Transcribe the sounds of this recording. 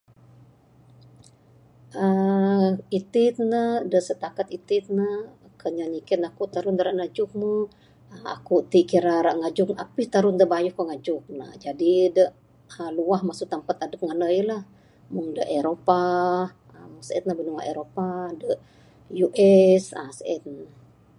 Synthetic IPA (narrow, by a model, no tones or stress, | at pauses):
ʔə | it̪it̪nədəʔsət̪akat̪it̪ɪt̪̚nə | kəɲaɲikɛt̪nakut̪aɾʊnd̪əɾaʔŋad͡ʒʊk̚mə | əa̰kut̪iʔkiɾaɾaʔŋad͡ʒʊkapit̪aɾʊnd̪əbajuhkoŋad͡ʒʊk̚na̰d͡ʒadidəʔ | luahmasʊt̪ampat̪adəp̚ŋanəilah | muŋdəʔeɾopa | əmasɛ̰t̪̚nəbənuwa̰ʔeɾopadəʔ | juʔɛsa̰sɛt̪̚nə